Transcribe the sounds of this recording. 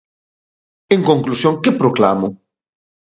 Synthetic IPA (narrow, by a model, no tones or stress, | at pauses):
eŋkõŋklusjoŋkepɾokla̰mo